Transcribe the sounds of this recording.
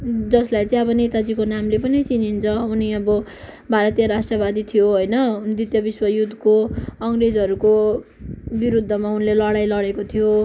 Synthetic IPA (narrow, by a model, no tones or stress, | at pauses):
d͡zʌslajt͡sʌĩʌbʌnet̪ad͡zikonamlepʌnit͡sinint͡sʰʌuniʌbʌ | bʱaɾʌt̪ijʌɾasʈrʌbad̪it̪ʰijoɦojnʌd̪it̪jʌbiswʌjud̪ʱkoʌŋred͡zɦʌɾuko | biɾud̪ʱːʌmaunlelʌɽajlʌɽekot̪ʰijo